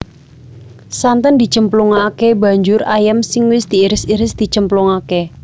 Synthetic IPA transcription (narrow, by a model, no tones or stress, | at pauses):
sant̪ənd̪i̤t͡ʃəmpluŋakeba̤ɲd͡ʒʊrajəmsɪŋwɪsd̪̥i̤iɾɪsiɾɪsd̪̥i̤t͡ʃəmpluŋake